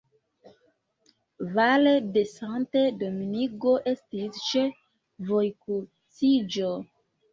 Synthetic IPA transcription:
valedesantedominiɡo̞ʔe̞stist͡ʃe | vojku | sid͡ʒo

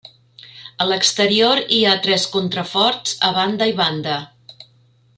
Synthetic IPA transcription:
ələkst̪əɾioɾiat̪ɾɛskont̪ɾəfɔɾt͡səβand̪əiβand̪ə

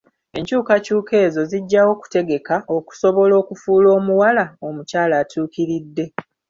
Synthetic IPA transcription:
eɲcuːkacuːkʰe̞ːzo̞ziɟːawo̞ku̥te̞ɡe̞kaʔo̞ku̥so̞βo̞lo̞ːkufuːlo̞ːmuwalaomucaːlaːtʰuːkiɾidːe̞

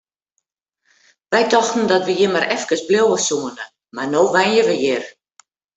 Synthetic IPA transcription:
ʋɛjdɔxtn̩dɔtʋəjɪmaɾʔɛfkəsbljowəsuənə | marnoːʋɛjəʋəjɪr

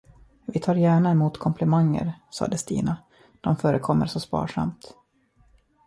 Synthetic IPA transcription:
vɪt̪ʰɑːɾjæːɳaɛmuːt̪kʰɔmpʰlɛmaŋːə̰ɾsɑ̰ːd̪əst̪ḭːna | d̪̥ɔmfœːɾəkʰɔmːəɾʂɔspɑ̰ːʂa̰mt̪

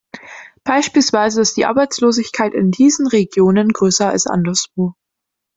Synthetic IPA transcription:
b̥aɪʃpiːlsv̥aɪzə̥aɪstd̥iːʔa̰ɐbaɪt͡sloːzɪçkʰaɪtɪndiːzn̩ʁeɡjoːnənɡʁøːsɐa̰lsʔa̰ndɐsv̥oː

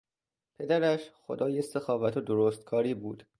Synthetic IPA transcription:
pʰe̞d̪æɾæʃxo̰d̪ɒːjesexɒːvæt̪ʰod̪oɾoːst̪̚kʰɒːɾiːbuːd̪̥

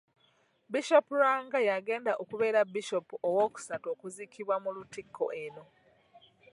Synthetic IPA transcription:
biʃo̞puɾaːŋɡajaɡe̞ːndaʔokuβe̞ːɾabiʃo̞puowo̞ːku̥sato̞ːkuzikiβwamulutikʰːo̞̰ʔeno̞

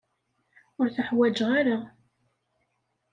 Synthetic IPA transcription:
ʊɾθəħwæd͡ʒʁaɾa

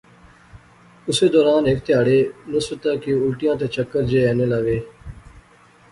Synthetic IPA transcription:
ʊseːd̪ɔːɾaːnɦɪkt̪ɪjaːɽeːnʊsbət̪aːkiːʊlʈijãːt̪eːt͡ʃəkːəɾd͡ʑeːɛːnelaʋeː

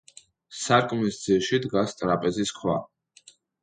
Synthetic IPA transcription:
saɾkʼmisd̪z̥iʃid̪ɡast̪ʼɾapʼɛziskʰwa̰

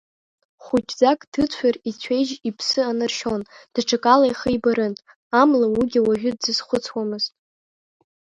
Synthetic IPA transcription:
χʷʊt͡ʃʼd͡zakʼd̥ɨt͡sʷʰarit͡sʷʰejʒipʰsɨanarʃo̞nd̥aʈ͡ʂʰakʼalajχəjbaɾɨn | amlawiɡʲiwaʒᶣʊdzɨzχʷʊt͡sʰwamɨztʼ

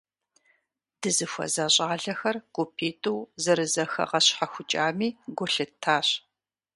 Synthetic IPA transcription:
d̥ɨzɨfʷɐ̰zaɕʼaːɮɐxɐrɡ̥ʷʊpʰeːtʰʼɨwzɐɾɨzɐxɐ̰qɐɕħaxʷʊt͡ʃʼaːmiːɡʷʊɬɨtʰːaːɕ

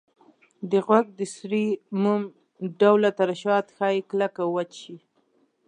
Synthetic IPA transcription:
d̪əɣwaɡ̚d̪əsɾimum | ɖawlat̪aɾaʃɑt̪xɑjklakawat͡ʃʃi

